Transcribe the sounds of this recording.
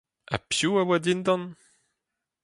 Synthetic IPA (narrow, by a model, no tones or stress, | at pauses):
a̰pjuawad̪ind̪ɑ̃n